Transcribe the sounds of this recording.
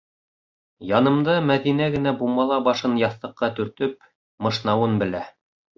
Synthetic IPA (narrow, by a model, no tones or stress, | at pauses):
jɑnɤ̆md̪ɑmæðinæɡɘ̆næbumɑlˠɑbɑʃɤnjɑθt̪ɤ̆qːɑt̪ɵ̆ɾt̪ɵp̚ | mɤ̆ʃnɑwɤnbɘ̆læ